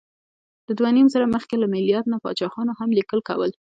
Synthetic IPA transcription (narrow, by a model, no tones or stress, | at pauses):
d̪̥əd̪wanimzəɾaməxkelamɪlijɑɾd̪napɑ̰t͡ʃɑxɑnoɦamlikəlka̰wəl